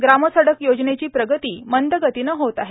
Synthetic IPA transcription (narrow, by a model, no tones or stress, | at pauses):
ɡɾaməsəɽəkjod͡znet͡ɕiːpɾəɡət̪iːmənd̪əɡət̪iːnəɦot̪aɦe